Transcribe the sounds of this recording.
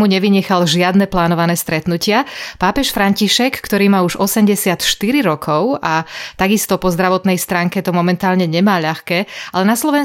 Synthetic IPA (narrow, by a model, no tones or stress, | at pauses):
muɲɛʋiɲɛxalʒɪad̪nɛplaːnɔʋanɛːst̪ɾɛt̪nucɪapaːpɛʃfɾaɲciʃɛkːt̪ɔɾiːmauʒɔsɛmɟɛsɪat̪ʃt̪iɾiɾɔkʰɔʊat̪aɡist̪ɔpɔzd̪ɾaʋɔt̪nɛjst̪ɾaːŋkɛt̪ɔmɔmɛnt̪aːlɲɛɲɛmaːʎaxkɛːʔalɛnaslɔʋɛn